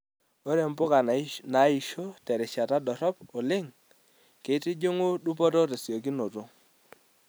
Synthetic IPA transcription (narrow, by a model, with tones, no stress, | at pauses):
o˦ɾe˨mpʊ˦ka˨na˨˦i˨ʃo˦tɛ˨ɾɪ˨ʃa˨ta˦dɔ˨ɾɔ˦pɔ˨lɪ˦ŋ | ke˨˦tɪ˦d͡ʒo˦ŋo˦du˦pɔ˦to˦ɾe˨sjo˨ki˦no˨to˦